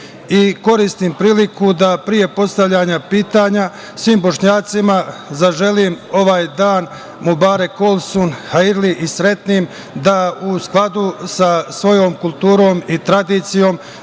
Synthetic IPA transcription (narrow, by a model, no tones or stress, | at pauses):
iko̞ɾist̪impɾiːlikud̪apɾije̞po̞st̪aʋʎaɲapiːt̪aɲa | sʋiːmbo̞ʃɲaːt̪simazaʒe̞limo̞ʋaːjd̪aːn | mubaːɾekolˠsonhajiɾliʔisɾe̞t̪nim | d̪ausklˠad̪usasʋo̞jo̞ːmkulˠt̪uːɾo̞ːmit̪ɾad̪iːt̪sijo̞ːm